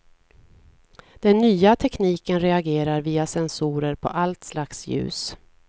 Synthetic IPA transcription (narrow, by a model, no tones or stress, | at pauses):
d̪̥ɛnːyːat̪ʰɛkniːkənɾɛaɡeːɾaɾviːasɛnsuːɾəɾpʰɔ̰ʔalt̪slaksjʉ̟̰ːs